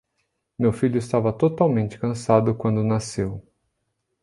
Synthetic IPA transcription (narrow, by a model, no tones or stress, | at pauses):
mewfiʎʊɪst̪avɐt̪ot̪awmẽnt͡ʃɪ̥kɐ̃sad̪ʊkwɐ̃nd̪ʊnasew